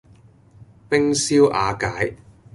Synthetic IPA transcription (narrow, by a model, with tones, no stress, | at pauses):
pɪ˥ŋsiː˥wʔaː˨˧kaː˨˥j